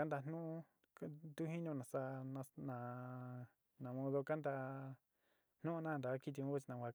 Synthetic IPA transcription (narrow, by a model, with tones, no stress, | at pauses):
a˦nd̪a˧n̥nũ˦ʔũ˦˧ | t̪u˦hĩ˦ɲũ˧nã˨sa˧nã˧nã˨ | nã˨mõ˧ðo˧ka˦nd̪a˧ | n̥nũ˦ʔnã˦˧nd̪a˨˦ki˦˧t̪̬i˧õ˧˦βu˦t͡ʃi˧nã˧kʷa˧